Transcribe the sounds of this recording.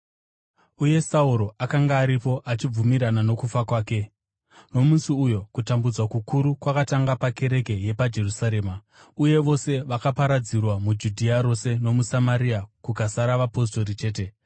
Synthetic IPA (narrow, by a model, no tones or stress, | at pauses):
uje̞sauɾo̞ʔakaŋɡaːɾipo̞ʔat͡ʃib͡vumiɾanano̞kufakwaːke̞ | no̞musiujo̞kutambud͡zwakukuɾukwakataŋɡapake̞ɾe̞ke̞je̞pad͡ʒe̞rusaɾe̞ːma | uje̞ʋo̞se̞ʋakapaɾad͡zirwamud͡ʒudʱiaɾo̞se̞no̞musamaɾiakukasaɾaʋapo̞s̬to̞ɾit͡ʃe̞ːte̞